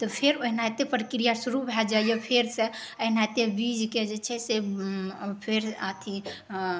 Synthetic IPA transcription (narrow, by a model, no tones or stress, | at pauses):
t̪ɔpʰeɾoɦinaet̪epɾəkɾijasuɾubʱɛld͡ʒaijepʰeɾseəɦnaet̪ebid͡ʒked͡ʒet͡ʃʰɛse | pʰeɾat̪ʰi